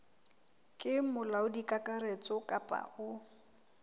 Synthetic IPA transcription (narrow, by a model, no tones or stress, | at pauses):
kʼɪmʊlaʊdikʼakʼaret͡sʼɔkʼapʼa̰ʊ